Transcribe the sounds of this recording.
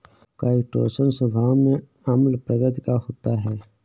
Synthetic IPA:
kaːɪʈo̰ːsənsəbʱaːwmẽ | əməlpɾəɡət̪kahoːt̪aɦɛː

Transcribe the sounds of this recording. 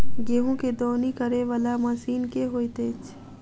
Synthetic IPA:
ɡeːɦũked̪ɔːnikəɾeʋalamasiːnkeɦoːit̪eːt͡ʃ

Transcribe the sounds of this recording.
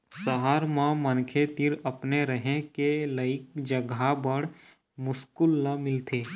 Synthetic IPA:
səɦaːɾmãmənkʰet̪iɾɐpneɾəɦẽkeləɪk̚d͡ʒəɡʱabəɽ | mʊskʊlnamɪlt̪ʰeː

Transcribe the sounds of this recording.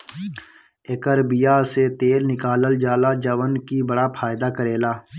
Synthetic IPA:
eːkəɾbɪjaset̪eːlnɪkaːləld͡ʒaːlad͡ʒəʋənkibəɽapʰaːɪd̪akəɾeːlaː

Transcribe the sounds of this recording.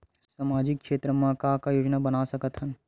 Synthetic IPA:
saːmaːd͡ʒɪkːʃeːt̪ɾəmãkakajoːd͡ʒnabɐnasɐkət̪ɦən

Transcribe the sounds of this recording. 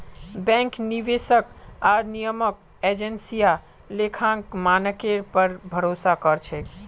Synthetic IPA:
bɛ̃ŋkniʋesəkaɾnijəmək̚ | ed͡ʒensija | lekʰãŋkmanəkeɾpəɾbʱəɾosakəɾt͡ʃʰɛk

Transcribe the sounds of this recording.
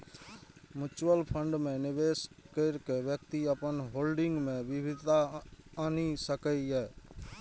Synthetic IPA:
mjut͡ʃwəlpʰəɳɖmẽnɪbeskəɪɾkebjək̚t̪iəpənɦoːlɖɪ̃ŋɡmẽbibʱid̪ʱt̪aanisəkəiɛ

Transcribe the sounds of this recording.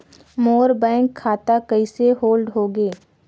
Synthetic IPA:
moːɾbɛ̃ːŋkʰːaːt̪akəiseɦoːlɖɦoːɡeː

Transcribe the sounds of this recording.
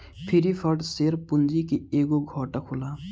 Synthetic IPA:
pʰɪɾipʰəʈseːɾpʊnd͡ʒikieːɡoɡʱɔːʈakʰulaː

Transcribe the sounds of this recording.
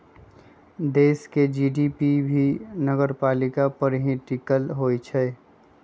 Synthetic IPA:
d̪eːsked͡ʒiːɖipibʱinəɡəɾpaːlɪkapəɾɦĩʈikəlɦoːit͡ʃʰɛ

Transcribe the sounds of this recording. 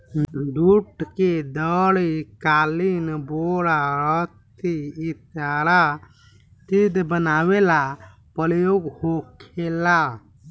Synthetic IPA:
d̪uʈked̪əɽikalinboɽaɾət̪iːt̪jaɾa | t̪id̪bənawela | pəɾjoɡhokʰela

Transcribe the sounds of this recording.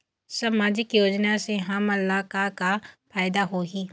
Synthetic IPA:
saːmaːd͡ʒɪkjoːd͡ʒnaseɦãmɐlːaːkakapʰaːjd̪aɦoːɡiː

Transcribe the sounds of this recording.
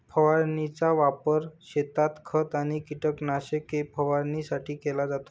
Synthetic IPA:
pʰəʋaɾnit͡saʋapəɾɕet̪at̪kʰət̪aɽ̃ikiʈəknaɕekepʰəʋaɾnisaʈiːkɛlad͡zat̪o̥

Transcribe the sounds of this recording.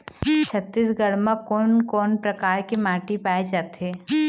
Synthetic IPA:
t͡ʃʰɐt̪ːisɡəɽmãkɔːnkɔːnpɾɐkaːɾkemaːʈipaːed͡ʒaːt̪ɦeː

